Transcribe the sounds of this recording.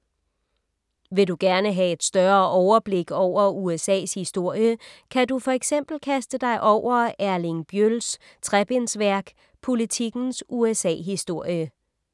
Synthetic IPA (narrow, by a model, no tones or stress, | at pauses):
ʋe̝duɡ̥æɐnəɦæe̝d̥sd̥ɶɐːʔɒʊɐb̥le̝ɡ̥ɒʊ̰ɐuesɛ̰ːshisd̥o̝ɐ̰jəkʰædufɒ̽eɡ̥sem̰b̥l̩kʰæsd̥əd̥ɑ̈ɪʔɒʊ̰ɐæɐlinb̥jøls | t͡sʰʁɛb̥ensʋæɐ̰ɡ̥ | pʰo̝lit͡sʰiɡ̥n̩suesɛ̰ːɦisd̥o̝ɐ̰jə